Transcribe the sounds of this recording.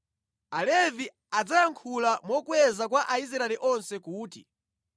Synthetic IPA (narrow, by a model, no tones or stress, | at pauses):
alɛvi | ad͡zajaŋkʰulamɔkwɛzakwaʔais̬ɾaɛliʔɔnsɛkuːtḭ